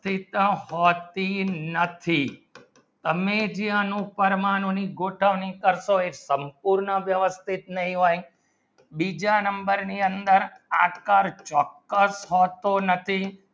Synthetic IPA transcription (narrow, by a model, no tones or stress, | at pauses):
t̪ʰit̪ɦɔt̪inət̪ʰi | t̪əmed͡ʒijãnũpəɾmanũniɡoʈʰəʋnikəɾʃoesəmpuɾɳəʋjəʋəst̪ʰit̪nəɦĩɦoj | bid͡ʒanəmbəɾniənd̪əɾaʈkaɾt͡ʃɔkːəsɦɔt̪onət̪ʰi